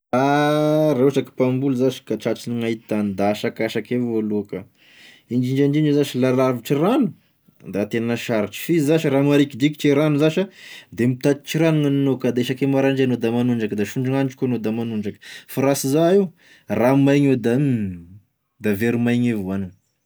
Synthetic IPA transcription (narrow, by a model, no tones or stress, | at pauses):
aɾeat͡ʃaki̥pambulzaʃi̥kaʈ͡ʂaʈ͡ʂiniŋaɦit̪anid̪aːʃakaʃakevoluakə | ind͡ʒiɳd͡ʒand͡ʒinezaʃilalaviʈ͡ʂiranu | d̪at̪enanəʃaɾiʈ͡ʂi̥fizaʃiɾamaɾikid̪iki̥ʈ͡ʂeɾanuzaʃad̪emit̪at̪̚ʈ͡ʂiɾaniŋananokad̪eʃakemaɾaɳd͡ʒenod̪amanuɳɖ͡ʐakəd̪aʃuɳɖ͡ʐuŋanʈ͡ʂkuanod̪amanuɳɖ͡ʐakə̥faɾasizaiw | ramajɲed̪a | d̪aveɾimajɲevuanan